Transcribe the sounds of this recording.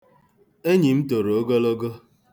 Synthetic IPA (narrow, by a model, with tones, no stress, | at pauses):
e˦ɲi˨m̩˦to˨ɾo˨o˦ɡo˦lo˦ɡo˦